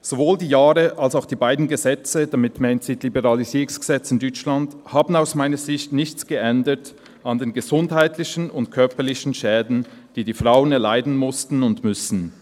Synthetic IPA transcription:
z̥ovoːldiːjaːʁəʔalsaʊxd̥iːbaɪdn̩ɡəzɛt͡səd̥amɪtmaɪntz̥iːdlibəʁɑliziːʁʊŋsɡ̥əz̥ɛt͡sɪndɔt͡ʃlandhaːbn̩aʊsmaɪnɐzɪçtnɪçt͡sɡ̥əʔɛndət | andeːnɡəzʊndhaɪtlɪçən̩ʊntkʰœɐpəlɪçn̩ʃɛːdn̩d̥iːdiːfʁaʊənɛɐlaɪdn̩mʊstn̩ʊndmʏsn̩

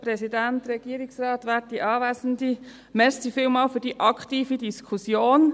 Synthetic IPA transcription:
pɾɛsidænt̪ɾɛɡ̥iːəɾiksrɑːt̪ʋæːt̚diʔɑːʋæːsən̩di | mɛɾssifɪːlmɑːlfʏd̥iʔɑkχtiːfidiskʰusjoːn

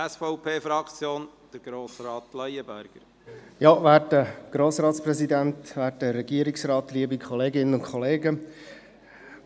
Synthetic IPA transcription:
ɛsfɔʊpʰeːfɾɑkt͡sjoːn | d̪̥əɾɡ̥ɾoːsɾɑːt̪lœjəbæɾɡ̥əɾ | jɑvæːɾdəɡ̥ɾoːsrɑːt̪sprɛzidænt̪væːɾtəɾɛɡiəɾɪksrɑːt̪liəbikʰɔleːɡɪnənʊnkχɔleːɡə

